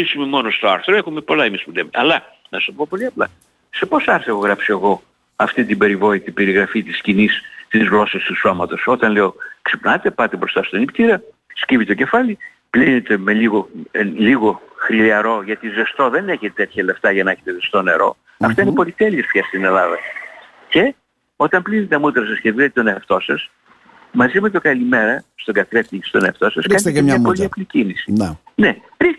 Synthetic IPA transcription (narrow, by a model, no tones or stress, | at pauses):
isume̞mo̞nost̪oɐɾθɾoe̞xume̞po̞lɐemispuemeɐlɐ | nɐsɐpopo̞liɐplɐ̰ | se̞po̞sɐɾθeɣoɣɾɐpsoeɣo̞ | ɐft̪it̪ibe̞ɾivo̞it̪ibe̞ɾiɣɾɐfit̪iscinist̪izɣlo̞sɐst̪usomɐt̪o̞so̞t̪ɐnleoksi̥pnɐt̪e̞pɐt̪ibɾo̞st̪ɐst̪onipt̪iɾɐ | scivit̪oce̞fɐli | plinet̪e̞me̞liɣo̞liɣo̞xɾiliɐɾo̞ʝɐt̪ize̞st̪o̞ðe̞ne̞çet̪et̪e̞t̪çɐleft̪ɐʝɐneçet̪ezest̪o̞ne̞̰ɾo̞̰ | ɐft̪ɐinepo̞lit̪eliest̪çɐst̪ine̞lɐðɐ | ce̞ | o̞t̪ɐmplinet̪eɐmut̪ɾɐsɐsceðiðt̪t̪oneɐft̪o̞sɐs | mɐzimet̪okɐlime̞ɾɐst̪oɡɐθet̪ist̪o̞neɐft̪o̞sɐskɐnetemɲɐpoliɐplicinisin | ne | ɾi